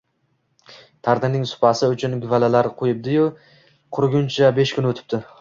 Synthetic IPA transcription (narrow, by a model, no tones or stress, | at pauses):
t̪ʰaɾd̪ɪmnɪŋsʊ̥pʰasɪʊt͡ʃʰʊnɡʲʊvalalaɾqʰojɪp̚d̪ɪjʊ | qʰʊɾɡʲʊnt͡ʃʰabe̞ʃkʰʲʊnɵt̪ʰɪ̥p̚t̪ɪ